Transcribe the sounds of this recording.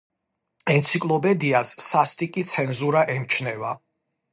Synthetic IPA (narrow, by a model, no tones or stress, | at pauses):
ɛnt̪sʰikʼlˠɔpʼɛd̪iasːast̪ʼikʼit̪sʰɛnzuɾaʔɛmt͡ʃʰnɛva